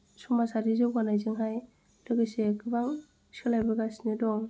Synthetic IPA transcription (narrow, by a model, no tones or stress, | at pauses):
sumasaɾizɯɡanajzɯŋɦaj | dɯɡɯsekɯbaŋ | sʰɯlajbɯɡasnidɔŋ